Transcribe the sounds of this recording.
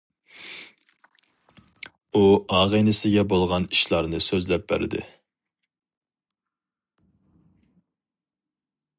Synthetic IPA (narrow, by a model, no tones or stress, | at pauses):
uɑːʁənɪsɪɡʲɛbolˠʁɑniʃlˠɑɾnɨsøzlɛp̚bæ̰ɾɪ̰d̪ɪ̰